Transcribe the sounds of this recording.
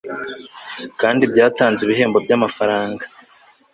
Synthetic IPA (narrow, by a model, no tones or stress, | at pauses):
kaːndibɟaːtaːnzeβiɦe̞ːmbo̞bɟamafaɾaːŋɡḁ